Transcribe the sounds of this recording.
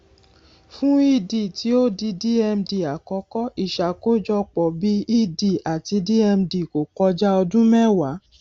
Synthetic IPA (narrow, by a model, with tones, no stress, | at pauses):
fũ˦i˦di˨ti˨˦o˦di˧di˦ɛ˧m̩di˧˨a˨kɔ˧˦kɔ˦i˦˨ʃa˨ko˦d͡ʒɔ˧k͡pɔ˨bi˦i˦di˨a˨ti˧˦di˦ɛ˧m̩di˧˨ko˨k͡pɔ˧d͡ʒa˦ɔ˧dũ˦mɛ̃˦wa˨˦